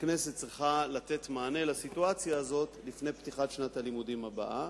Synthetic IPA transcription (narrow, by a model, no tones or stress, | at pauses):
kne̞set̪̚t͡sʁiχalat̪et̪maːne̞lasituat͡sjaːzo̞tlifnejpt̪iχatʃnat̪alimudimaba̰ʔa